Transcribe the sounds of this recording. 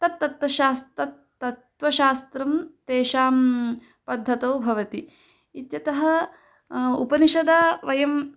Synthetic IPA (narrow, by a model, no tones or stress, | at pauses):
t̪ɐt̪ːɐt̪ʋɐʃaːst̪ɾɐt̪ː | ɐt̪ʋɐʃaːst̪ɾɐmt̪eːʃaːm | pɐd̪ʱːɐt̪oːbʱɐʋɐt̪i | it̪jɐt̪ɐɦɐ | ṵpɐniʃɐd̪aʋɐjɐm